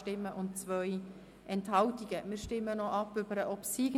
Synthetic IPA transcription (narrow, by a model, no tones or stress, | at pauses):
tɪmːəʔʊntt͡svœj | ʔɛnthɑltiɡ̥əmɪːɾʃtɪmːənɔʔɑpːʏbəɾəʔɔpsiɡ